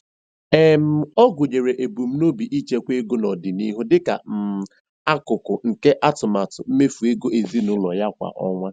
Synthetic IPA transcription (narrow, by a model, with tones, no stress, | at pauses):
e˦m̩˦ɔ˦ɡʷʊ˨ɲe˨ɾe˨ʔe˨bu˨m̩˦no˦bi˨ʔi˦t͡ʃe˦kʷe˦ɡʊ˦nɔ˨dɪ˨ni˦ɦʊ˦dɪ˦ka̰˨m̩˨ | a˦kʊ˨kʊ˨ŋ̩˨ke˦ʔa˦tʊ˨ma˨tʊ˨m̩˦me˦fu˨e˦ɡo˦e˨zi˦nʊ˦lɔ˨ja˦kʷa̰˨ʔɔ̰˦ŋʷa˦